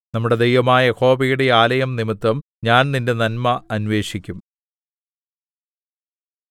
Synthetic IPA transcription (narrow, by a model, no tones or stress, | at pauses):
nɐmːuɽe̞d̪ejʋɐmaːjɐko̞ːbɐjuɽe̞aːlɐjɐmnimit̪ːɐm | ɲaːnninde̞nɐnmɐːnʋe̞ːʂikʲːum